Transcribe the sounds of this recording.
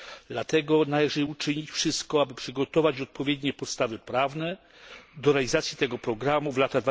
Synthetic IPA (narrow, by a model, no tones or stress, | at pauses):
d̪̥lat̪ɛɡɔnalɛʐɘut͡ʂɘɲit͡ɕfʂɘst̪kɔabɘpʂɘɡɔt̪ɔvad͡ʑɔt̪̚pɔvʲjɛd̪ɲɛpɔt̪st̪avɘpɾavnɛ | d̪ɔɾɛalʲizat̪sʲjit̪ɛɡɔpɾɔɡɾamuvlat̪ad̪va